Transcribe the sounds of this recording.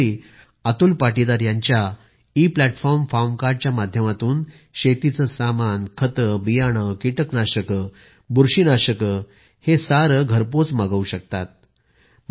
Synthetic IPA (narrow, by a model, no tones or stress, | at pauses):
i | at̪ulpaʈid̪aɾjaɲt͡ɕja | iplæʈfɔɾmfamkaɾɖ̚t͡ɕjamad̪ʱjəmat̪uːn | ɕet̪it͡səsamankʰət̪əbijaɽ̃əkiʈəknaɕəkə | buɾɕinaɕəkə | hesaɾəɡʱəɾpot͡smaɡəuɕək̚t̪a̰t̪̚ | m